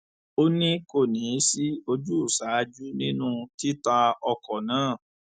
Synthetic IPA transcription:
o˦nĩ˦ko˦˨nĩ˨˦si˦o˧d͡ʒu˦u˦˨sa˨˦d͡ʒu˦nĩ˦nũ˦ti˦ta˧ɔ˧kɔ˨nãː˨˦˨

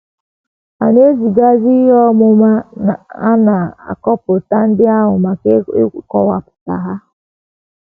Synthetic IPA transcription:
a˨ne˦zi˨ɡa˦zi˦ɦɔ˦mʊ˦ma˦˨a̰˦na˨a̰˨kɔ˦pʊ˨ta˦n̩˦dɪ˦a˦ɦʊ˨ma˨kkɔ̰˦wa̰˨pʊ̥˨ta̰˨ɦa˦

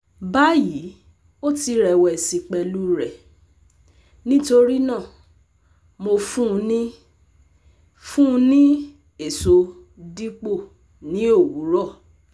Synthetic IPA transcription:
ba˦ji˨˦ | o˦ti˧ɾɛ˨˧wɛ˨si˧k͡pɛ˧lu˦ɾɛ˨ | nĩ˦to˧ɾi˦nã˦˨ | mo˧fũ˦˧nĩ˦ | fũ˦˧nĩ˦ | e˦˨so˨˧˦ | di˦k͡po˦˨ | nĩ˨˦o˦˨wu˨˦ɾɔ˦˨

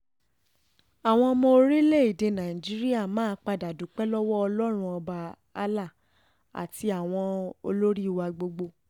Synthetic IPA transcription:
a˨w̃ɔ̃˧mɔ̃˧o˧ɾi˦le˦˨i˦˨de˨˧nã˨ĩ˨d͡ʒi˦ɾi˦a˦˨mãː˦k͡pa˧da˨du˨˦k͡pɛ˦lɔ˦wɔ˦ɔ˧lɔ˦ɾ̃ũ˦ɔ˧ba˧ | a˦la˦˨ | a̰˨ti˧a˨w̃ɔ̃˧o˧lo˦ɾi˦˨wa˧ɡ͡bo˧ɡ͡bo˧

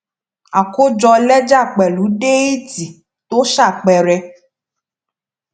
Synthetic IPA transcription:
a˨ko˦d͡ʒɔ˧lɛ˦d͡ʒa˦˨k͡pɛ˨lu˨˦ɖe˦i˦ti˨ | to˦ʃa˦˨k͡pɛ˨ɾɛ˧

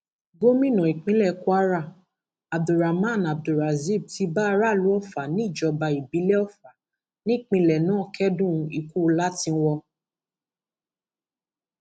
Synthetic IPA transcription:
ɡo˦mĩ˦˨nã˨i˨k͡pĩ˨˦lɛ˦˨ku˦a˦ɾa˦˨ | a˨b̚du˨ɾa˨mã˦˨na˨b̚du˨ɾa˨zi˦˨b̚ti˧ba˦a˧ɾa˦˨lu˨˦ɔ˦˨fa˨nĩ˦i˦˨d͡ʒɔ˧ba˧i˨bi˨˦lɛ˦ɔ˦˨fa˨ | nĩ˦i˦˨k͡pĩ˧lɛ˨nãː˨˦˨kʰɛ˦dũ˦˧i˨ku˦˧la˦tĩ˧wɔ˧

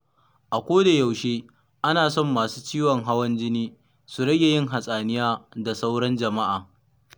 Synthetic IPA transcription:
ʔa˨kʷoː˦da˨ja˨wʃeː˦ | ʔa˦naː˨sɔ˦˨mːaː˨su̥ː˦t͡ʃiː˦wɔ˨ŋɦa˦wɐ˦nd͡ʒɪ˦niː˦ | su˨ɽɐ˦ɡʲe˨jɪ˦ŋɦa˨sʼaː˨nɪ˦jaː˦da˨sa˦wɽɐ˦nd͡ʒɐ˨ma˦ʔaː˨

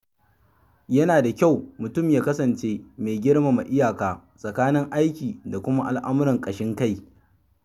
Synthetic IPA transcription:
jɐ˦naː˨da˨kʲa˦˨wmʊ˨tʊ˦˨mjaː˦kɐ˦sɐ˨nt͡ʃeː˦meː˨ɡʲɪ˦ɽma˨ma˨ʔɪ˦jaː˨kaː˨ | sʼɐ˨kaː˦nɪ˦ŋʔa˦jkʲiː˨da˨kʷʊ˦ma˦ʔa˨lʔa˦m˦ɾɪ˨ŋkʼɐ˨ʃɪ˦ŋka˦˨j

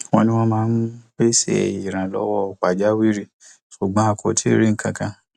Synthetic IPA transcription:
w̃ɔ̃˧nĩ˧w̃ɔ̃˧mãː˦n̩˦k͡pe˦sɛ̰˦˨i˨ɾ̃ã˨lɔ̰˨˦wɔ˦˧˨k͡pa˨d͡ʒa˦wi˦ɾi˦ | so˨ɡ͡bã˨˦a˧kʰo˨tʰi˦˨ɾi˦ŋ̩˨kã˧˨kã˧

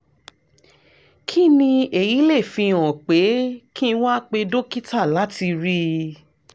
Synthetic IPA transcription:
kʰi˦nĩ˧e˨ji˨˦le˦˨fĩ˧ɔ̃˨k͡pe˨˦kĩ˦wa˦k͡pe˧do˦ki˦ta˦˨la˨˦ti˧ɾi˦

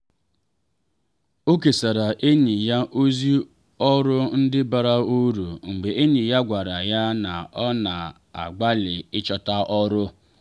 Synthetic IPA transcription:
o˦ke˨sa˨ɾa˨ʔe˦ɲi˨ja˦ʔo˦zi˦ | ɔ˦ɾʊ˦n̩˦dɪ˦ba˨ɾa˦u˦ɾu˨ŋ͡m̩˨ɡ͡be˨e˦ɲi˨ja˦ɡʷa˨ɾa˨ja˦na˨ɔ˦na˨ | a̰˨ɡ͡ba˦lɪ˨ɪ˦t͡ʃɔ˦ta˦ʔɔ˦ɾʊ˦

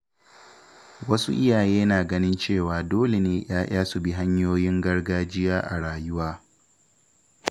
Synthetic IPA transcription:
wɐ˦sṵ˦ʔɪ˦jaː˨jeː˦naː˨ɡɐ˦nɪ˦nt͡ʃeː˦˨waː˨doː˦le˨neː˦j̰aː˦j̰ʔaː˦su˨bi˦ɦa˦ɲjoː˦jɪ˦ŋɡɐ˦rɡaː˦d͡ʒɪ˦jaː˦ʔa̰˨ɽaː˨jʊ˦waː˦

